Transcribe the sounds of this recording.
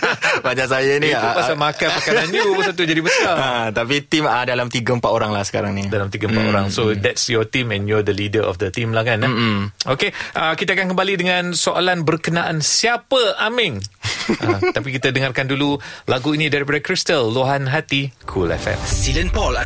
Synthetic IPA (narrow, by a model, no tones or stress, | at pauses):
bat͡ʃãs̬ajaniupaamakanpəkananubəsat̪ud͡ʒadibəsaat̪apit̪imadalamt̪iɡəmpat̪oɾaŋlahsə̥ka̰ɾaŋnidalamt̪iɡəmpat̪oɾaŋsod̪ɛtsjɔt̪imɛ̃njɔd̪əlidəʔɔ̰fd̪ət̪imlahkanokeʔakit̪akankəmbalidəŋãnsoʔalanbərkənaʔansiapəamɪŋʔat̪ap̬ikit̪adəŋarkandululaɡuinĩdaɾip̬adəkɾist̪əlːoɦanɦat̪ikʰulɛ̰fɛ̰tsilənpɔl